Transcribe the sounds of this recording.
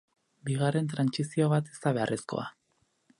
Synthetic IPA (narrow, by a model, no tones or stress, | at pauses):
biɣare̞nt̪ɾansisio̞βat̪e̥st̪aβ̞e̞arʔesko̞̰a̰